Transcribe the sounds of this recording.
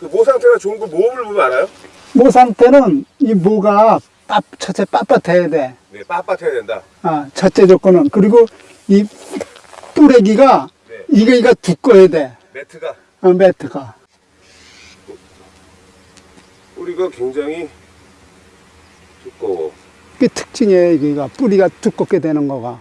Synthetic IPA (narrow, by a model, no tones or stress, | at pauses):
kɯmosʰaŋtʰenat͡ɕoŋɡumobɯɭbumaɾajo | mos̬ʰaŋtʰe̞nɯnimoɡa | p͈apt͡ɕʰʌt͡ɕ͈e̞p͈ap͈atʰejade̞ | nepap͈atʰejadenda̰ | at͡ɕʰʌt͡ɕ͈e̞d͡ʑʌk͈ʌnɯnkɯɾiɡo | i | t͈uɾe̞ɡiɡa | iɡeiɡatuk͈ʌjede̞ | tʰː | metʰɯɡa | puɾiɡakweŋd͡ʑaŋi | tuko | ketʰɯ̥k̚t͡ɕ͈iŋeiɡeɡap͈uɾiɡatuk͈ʌk͈e̞dwe̞nɯnɡʌɡa